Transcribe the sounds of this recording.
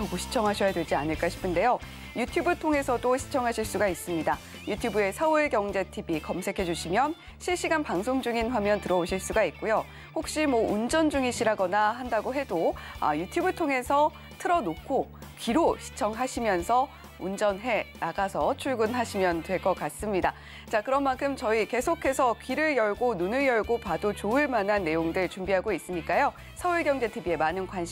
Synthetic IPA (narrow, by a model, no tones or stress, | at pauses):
ʌɡuɕʰi̥t͡ɕʰʌŋɦaɕʰʌjadwe̞ɭd͡ʑianɯɭk͈aɕʰi̥pʰɯnde̞jo | jutʰjubɯɭtʰoŋe̞sʰʌdoɕʰi̥t͡ɕʰʌŋɦaɕʰiɭs͈uɡais͈ɯmɲida | jutʰjubue̞sʰʌuɭɡjʌŋd͡ʑe̞tʰibikʌmsʰe̞kʰe̞d͡ʑuɕʰimjʌn | ɕʰiɭɕ͈iɡanpaŋsʰoŋd͡ʑuŋinɸwamjʌntɯɾʌoɕʰiɭs͈uɡait̚k͈ojo | hok̚ɕ͈imwʌund͡ʑʌnd͡ʑuŋiɕʰiɾɦaɡʌnaɦandaɡoɦe̞doa̰jutʰjubɯɭtʰoŋe̞sʰʌ | tʰɯɾʌnokʰokiɾoɕʰi̥t͡ɕʰʌŋɦaɕʰimjʌnsʰʌ | und͡ʑʌnɦe̞naɡasʰʌt͡ɕʰuɭɡunɦaɕʰimjʌntwe̞ɭk͈ʌk͈as͈ɯmɲida | t͡ɕakɯɾʌnmankʰɯmt͡ɕʌike̞sʰokʰe̞sʰʌkiɾɯɭjʌɭɡonunɯɭjʌɭɡopadot͡ɕoɯɭmanɦanːe̞joŋdɯɭt͡ɕumbiɦaɡois͈ɯmɲik͈ajo | sʰʌuɭɡjʌŋd͡ʑe̞tʰibie̞manɯnkwanɕʰi